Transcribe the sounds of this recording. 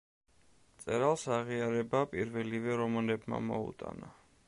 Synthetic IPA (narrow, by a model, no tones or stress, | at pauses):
t̪sʼɛɾalˠsaʁiaɾɛbapʼiɾvɛlivɛɾɔmanɛbma̰mɔ̰ṵt̪ʼa̰na